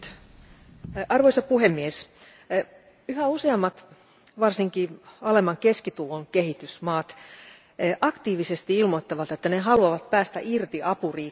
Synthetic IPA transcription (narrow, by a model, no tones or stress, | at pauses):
ɑrʋoisɑpuhemːies | yhæuseɑmːɑt̪ | ʋɑrsiŋkiːɑlemɑŋkeskit̪uloŋkehit̪ysmɑːt̪ː | ʔɑkt̪iːʋisest̪iilmot̪ːɑʋɑt̪et̪ːæneɦɑluɑʋɑt̪pæːst̪æʔirt̪iʔɑpuriː